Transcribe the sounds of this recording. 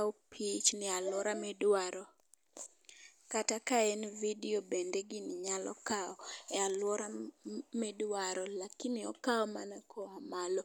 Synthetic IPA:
opʰit͡ʃnɪalwɔɾamɛdwaɾɔ | katakaenvidiobendeɡɪnɪɲalɔ̰kaɔɛalwɔɾamɛdwaɾɔlakɪnɪɔkaɔmanakʰɔamalo

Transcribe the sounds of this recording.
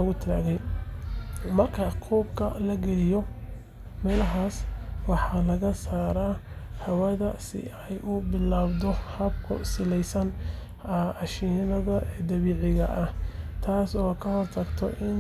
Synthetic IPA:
ɐɣʊt̪ʰɾaːɣɛj | mɐrkʰɐqʰuːbkʰɐ̰lɐɡɛlɪjɔ | mɛːlɐɦaːswɑħɑlɐɣɐsaːɾahɐwɐðɐsɪ̰ɛjʊbɪlaːbd̪ɔhɐb̚kʰʊ̰sɪlɛjsɐn | ɑʃɪnɐðɐʔɛːd̪ɐβiːʕɪɣɐʔɐht̪ʰaːsɔːkʰɐhɔrt̪ʰɐɡt̪ʰɔ̰ʔɪn

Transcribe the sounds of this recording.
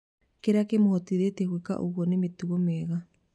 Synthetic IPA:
keɾakemohɔtiɾeteɣweka̰ʔo̰ɣwɔnemetuɣomɛɣa

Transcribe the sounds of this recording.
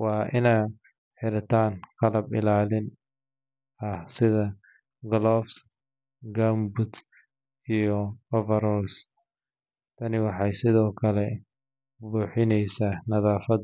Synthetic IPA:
wɑːʔɪna | ħɪɾɐt̪ʰaːnqɑlɐbɪ̰laːlɪn | ɐhsɪðɐ | ɡɔlɔfs | ɡambʊt̪ | ijɔɔvɛɾɔls | t̪ʰɐnɪwɑħɑjsɪðɔːkʰɐlɛ | buːħɪnɛjsaːnɐðaːfɐd

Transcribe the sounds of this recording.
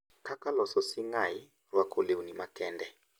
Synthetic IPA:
kʰakʼalɔsɔsiŋaji | rwakʰʼoleunimakʼɛːndɛ

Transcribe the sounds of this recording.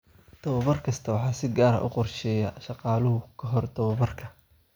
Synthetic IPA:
d̪̥ɐwɐβɐrkʰɐst̪ʰɐwɑħɑːsɪɡaːɾɐ̰ʔʊ̰qɔrʃɛːjɐʃɑqɑːlʊɦʊkʰɐɦɔrd̪ɔwɐβɐrkʰɐ

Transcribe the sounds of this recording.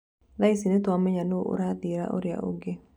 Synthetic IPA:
laisinet̪amɛɲanoʔo̰ɾad̪iɾa̰ʔo̰ɾja̰ʔo̰ɡe

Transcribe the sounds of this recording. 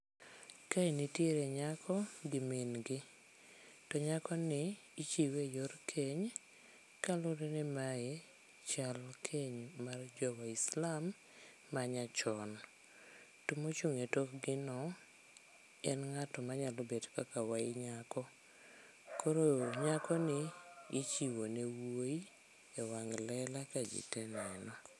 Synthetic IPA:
kainitjeɾeɲakʰɔɡɪmenɡɪ | tɔɲakɔnɪː | t͡ʃiwejoɾkʰeɲ | kalʊɾenɪmae | t͡ʃalkʰeɲmard͡ʒɔwaislamː | aɲat͡ʃɔn | tʊmot͡ʃuŋetokɡɪnɔ | ɛnŋatɔmaɲalobedkakawaɪɲakɔ | koɾoɲakɔnɪit͡ʃiwonewoi | ewaŋlɛlakad͡ʒɪ̰tɛnɛnɔ

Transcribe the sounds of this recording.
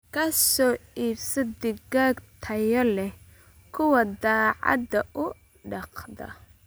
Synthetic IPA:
kʰɐsɔːiːbsɐd̪ɪɡaːɡt̪ʰɐjɔlɛh | kʰʊwɐd̪ɑːʕɑ̰d̪ɐʔʊ | ɖɑqd̪ɐ̰

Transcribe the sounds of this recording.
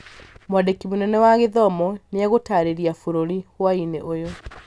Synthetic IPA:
mwadekimonɛnɛwaɣeðɔmɔneaɣotaɾeɾiafoɾoɾiɣwaineʔojo

